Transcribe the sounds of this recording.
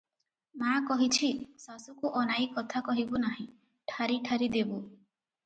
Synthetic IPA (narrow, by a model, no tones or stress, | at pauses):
makɔɦit͡ʃʰisasukuʔɔnajikɔt̪ʰakɔɦibunaɦĩ | ʈʰaɾiʈʰaɾid̪ebu